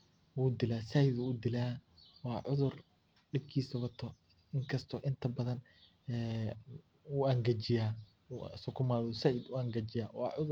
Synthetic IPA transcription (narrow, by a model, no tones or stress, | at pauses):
wud̪ɪlaːsɐɪd̪ʊːd̪ɪlaːwɑːʕʊðʊr | ɖɪb̚kʰiːsɐwɐt̪ʰɔ | ɪŋkʰɐst̪ʰɔʔɪnt̪ʰɐbɐðɐn | ɛː | uɐŋɡɐt͡ʃɪjaː | sʊkʰʊmaːðsɐʔɪd̪ʊɐŋɡɐt͡ʃɪjaːwɑ̰ːʕʊðʊ